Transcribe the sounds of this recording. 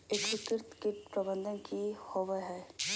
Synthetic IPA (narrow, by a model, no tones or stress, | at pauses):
eːkʋɪkɪɾt̪kɪʈpɾɐbə̃nd̪ʱənkihoʋəɦɛː